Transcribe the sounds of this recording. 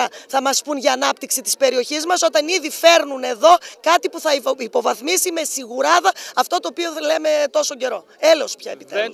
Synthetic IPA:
ɐθɐmɐspunʝɐːnɐpt̪iksit̪i̥spe̞ɾio̞çizmɐso̞t̪ɐniðife̞ɾnune̞ðo̞kɐt̪ipuθɐiipo̞vɐθmisime̞siɣuɾɐðɐɐft̪o̞t̪o̞ːpio̞le̞me̞t̪o̞so̞ɟe̞ɾo̞ | elospçɐebit̪e

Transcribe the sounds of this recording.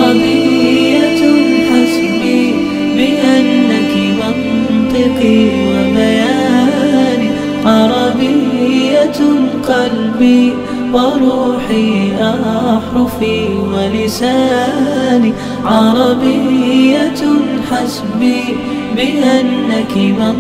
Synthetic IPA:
ɾˤɑbɪːaħas | biː | bɪʔanːakimɑn | t̪ˤɨqiwabajaː | niː | ʕɑɾˤɑbɪjjːalqɑlbiː | wɪɾˤuːħiʔaʔħʊfiːwalɪsaːni | ʕɑɾˤɑbɪːaħas | biː | bɪʔanːakɪmɑ

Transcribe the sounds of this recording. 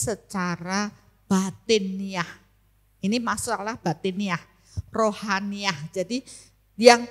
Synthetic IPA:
sət͡ʃaɾa | b̥at̪ɪnːiah | inimasalahb̥at̪eniah | rohaniahd͡ʒadi | jaŋ

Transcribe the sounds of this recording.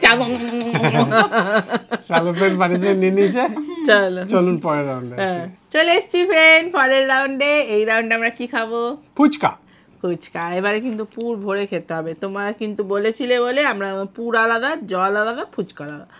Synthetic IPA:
ʈaɡo | kalopeɾbanid͡ʑeninit͡ɕʰet͡ɕolot͡ɕolunpɔɾeɾɾawɳɖeaɦɛ̃et͡ɕoleeʃt͡ɕʰifʰenfɔɾeɾːawɳɖeejɾawɳɖeamɾakikʰabopʰut͡ɕka̰ | pʰut͡ɕkaebaɾekint̪upuɾbʱoɾeɾkʰet̪ːɾeɦɔbet̪omakint̪ubolet͡ɕʰileboleamɾapuɾalad̪ad͡ʑɔlalad̪apʰut͡ɕkalad̪a

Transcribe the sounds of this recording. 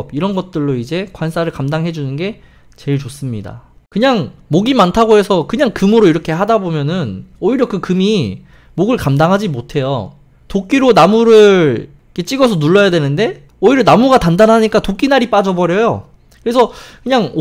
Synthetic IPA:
biɾʌnɡʌt̚t͈ɯɭːoid͡ʑe̞kwansʰaɾɯɭkamdaŋɦe̞d͡ʑunɯnɡe̞ | t͡ɕe̞ɭt͡ɕos͈ɯmɲida̰kɯɲaŋmoɡimantʰaɡoɦe̞sʰʌkɯɲaŋkɯmɯɾoiɾʌkʰe̞ɦadabomjʌnɯnoiɾjʌkɯkɯmi | moɡɯɭkamdaŋɦad͡ʑimotʰe̞jo̰ | tok͈iɾonamuɾɯɭ | kʰe̞t͡ɕ͈iɡʌs̬ʰʌnuɭːʌjadwe̞nɯnde̞ | oiɾjʌnamuɡatandanɦaɲik͈atok͈inaɾip͈ad͡ʑʌbʌɾjʌjo̰ | kɯɾe̞sʰʌkɯɲaŋ

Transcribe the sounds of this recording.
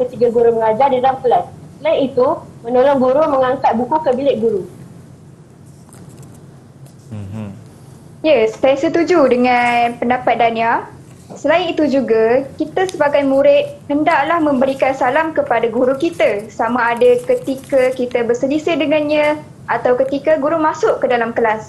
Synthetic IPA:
kət̪iɡaɡuɾʊməŋad͡ʒardidalamkəlassəlaɪnit̪umə̃nolɔŋɡuɾʊməŋaŋkat̪̚bukukəbilɪʔ̚ɡuɾu | jaspasət̪ud͡ʒudəŋãnpəndapat̪̚dania | səlaɪnit̪ud͡ʒuɡakit̪asəbaɡamuɾɪt̪̚həndaʔlahmə̃mbəɾikansalamkəpadaɡuɾukit̪asamaːdakət̪ikakit̪əbərsəlisɪdəŋãnɲã | ʔat̪awkət̪ikaɡuɾumãsʊʔkədalamkəlas

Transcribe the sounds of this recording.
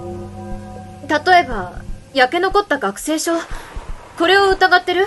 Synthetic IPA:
t̪at̪o̞e̞bajake̞no̞ko̞t̪ːaɡakɯ̟̥se̞ːɕo̞ | ko̞ɾe̞o̞ɯ̟t̪aɡat̪ːe̞ɾɯ̟

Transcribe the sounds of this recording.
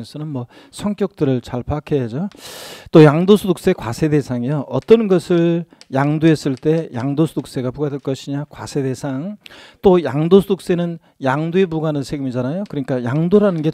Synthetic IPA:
esʰʌnɯnmʌ | sʰʌŋk͈jʌk̚t͈ɯɾɯɭt͡ɕaɭpʰakʰejad͡ʑot͈ojaŋdosʰuduk̚s͈e̞kwasʰe̞de̞sʰaŋijoʔʌt͈ʌnɡʌsʰɯɭjaŋdoes͈ɯɭt͈e̞jaŋdosʰuduk̚s͈e̞ɡapuɡadeɭk͈ʌɕʰiɲakwa̰sʰe̞de̞sʰaŋt͈ojaŋdosʰduk̚s͈e̞nɯn | jaŋdoebuɡanɯnsʰeɡɯmid͡ʑanajokɯɲik͈ajaŋdoɾanɯnɡe̞

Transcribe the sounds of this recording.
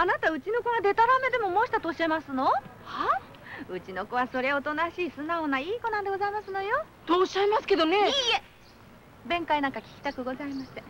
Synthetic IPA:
anat̪aɯ̟t͡ɕinokoɡad̪e̞t̪aɾame̞d̪e̞mo̞mo̞ːɕi̥t̪at̪oːɕiemasɨno̞ | ha | ɯ̟t͡ɕino̞koβaso̞ɾe̞o̞t̪o̞naɕiːsɨnaonaiːko̞nãnd̪e̞ɡo̞zaimasɨno̞jo̞ | t̪oːɕaimasɨ̥ke̞d̪o̞neie | bẽ̞ŋkainãŋkakʲi̥kʲi̥t̪akɯ̟ɡo̞zaimaɕi̥t̪e

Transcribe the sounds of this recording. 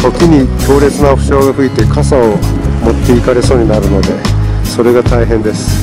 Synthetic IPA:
okʲiɲ̟ikʲo̞ːɾe̞t͡sɨnaɸɯ̟ɕo̞ːɡaɸɯ̟it̪e̞kʰasaomo̞t̪ːe̞ikaɾe̞so̞ːɲ̟inaɾɯ̟no̞d̪e̞so̞ɾe̞ɡat̪aiɦẽ̞nd̪e̞sɨ̥

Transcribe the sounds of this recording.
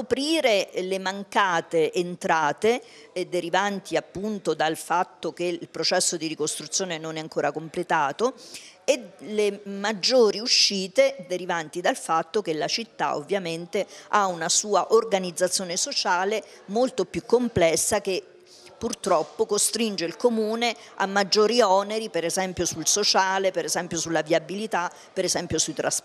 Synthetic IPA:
kopɾiːɾelemaŋkaːt̪eʔːnt̪ɾaːt̪e | d̪ːeɾivant̪ʰiapːunt̪od̪alfat̪ːokeilpɾot͡ʃɛsːod̪irikost̪ɾut̪sːjoːnenonɛaŋkoːɾakomplet̪aːt̪oelemad͡ʒːoːɾiuʃːiːt̪ed̪eɾivant̪id̪alfat̪ːokelat͡ʃit̪ːa̰o̰vːjament̪eaunasuːaʔorɡanid̪zat̪sːjoːnesot͡ʃaːle | molt̪opjukːomplɛsːake | pːurt̪ɾɔpːokost̪ɾind͡ʒeilkomuːne | a̰mːad͡ʒːoːɾiɔneɾipeɾezɛmpjosulsot͡ʃaːlepeɾezɛmpjosulːaviabilit̪a | peɾezɛmpjosuit̪ɾas

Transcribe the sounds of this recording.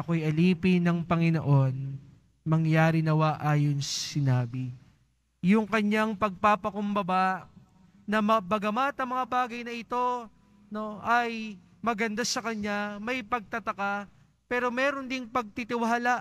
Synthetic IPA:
ɐko̞ɐjʔɐliːpɪnɐŋpɐŋɪno̞̰ʔo̞n | mɐŋjaːɾɪnɐwaʔaːjo̞nsɐsɪnaːbɪ | jʊŋkɐɲaŋpɐɡ̚paːpɐkʊmbɐbaʔ | nɐmɐbɐɡɐmat̪ɐŋmɐŋabaːɡɐjnɐʔɪt̪o̞ | no̞ʔɐj | mɐɡɐnd̪asɐkɐɲːamɐjpɐɡ̚t̪ɐt̪ɐka | pɛːɾo̞mɛːɾo̞nd̪ɪŋpɐɡ̚t̪it̪ɪwɐɦɐlaʔ

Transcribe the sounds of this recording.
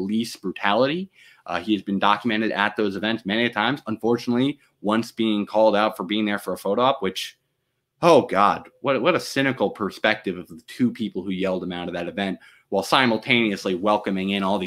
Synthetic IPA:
lisb̥ɹʉtʰælˠəɾi | ʔiɨzbɨ̃ndɑkjɨmɛ̃ɾ̃ɨɾɨt̪̚ðoʊzɨvɛ̃ntsmɛñiɨ̥tʰãɪ̃mz̥ə̃ɱfɔɹt͡ʃɨnətˡli | wʌ̃nsb̥iɪ̃ŋkʰɔlˠdaʊtfə˞biɪ̃ŋðə˞fə˞əfoʊɾoɑpwɨt͡ʃ | oʊɡɑd̚wʌɾwʌɾəsɪ̃ñɨkl̩ˠpʰə˞spɛk̚tɨvʌvðɨtʰʉpʰipl̩ˠhʉjɛlˠdə̃mãʊ̃ɾ̃ʌvðɨɾɨvɛ̃nʔ̚ | waɪlˠsãɪ̃ml̩ˠtʰẽɪ̃niɨsliwɛlˠkɨ̃mɪ̃ŋɪ̃nɔlˠð

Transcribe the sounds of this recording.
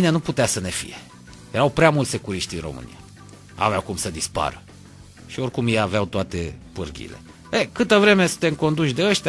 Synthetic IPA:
neanuput̪easəne̞fḭje̞ | je̞ɾawpɾeamult̪se̞kuɾiʃt̪ʲinro̞̰mɨ̰nḭja | a̰veawkumsəd̪ispa̰ɾə | ʃio̞rkumjejaveawt̪oat̪e̞pɨrɡʲḭle̞̰ | ekɨt̪əvɾe̞me̞sɨ̥t̪eɨŋko̞nd̪ut͡ʃʲd̪e̞əʃt̪ʲa

